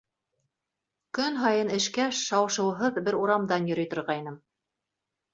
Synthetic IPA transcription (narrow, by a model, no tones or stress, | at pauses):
kɵnɦɑjɤnɘ̆ʃkæʃːɑwɤ̆ʃɤ̆wɤ̆ɦɤðbɘɾuɾɑmd̪ɑnjɵ̆ɾɵ̆jt̪ŏɾʁɑjnɤm